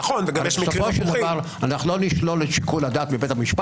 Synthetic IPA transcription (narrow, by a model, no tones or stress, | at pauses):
χonveɡaeʃmisofoʃeld̪avaʁ | anaχulo̞niʃlolet̪ʃi̥kulad̪aːt̪mibet̪amiʃpa